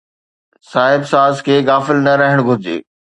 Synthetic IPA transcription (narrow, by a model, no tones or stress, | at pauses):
saːɦɪbsaːzkʰeːɡaːfɪlnɐɾɐɦɪɽ̃ɡʱʊɾɪd͡ʑḛː